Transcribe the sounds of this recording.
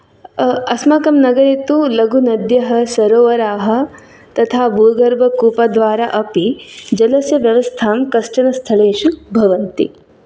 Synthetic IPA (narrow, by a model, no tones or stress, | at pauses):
ɐsmakɐmnɐɡɐɾit̪ulɐɡunɐd̪jɐɦɐ̆sɐɾoːʋɐɾaːɦɐ̆ | t̪ɐt̪ʰaːbʱuːɡɐɾbʱɐkuːpɐd̪ʋaːɾaʔɐpid͡ʒɐlɐsjɐʋjɐʋɐst̪ʰaːmkɐʂʈɐnɐst̪ʰɐɭeːʃubʱɐʋɐnt̪ḭ